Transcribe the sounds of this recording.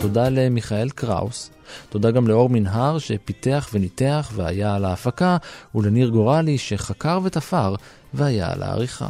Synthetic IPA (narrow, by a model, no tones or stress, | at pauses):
to̞dale̞miχae̞lkʁa̰us | t̪o̞daɡamleo̞ʁminɦaʁʃe̞pit̪eaχve̞nite̞aχvea̰jalaːfakaule̞niʁɡo̞ʁaliʃe̞χakaʁve̞t̪afaʁ | veaja̰a̰lʔa̰a̰ʁiχa̰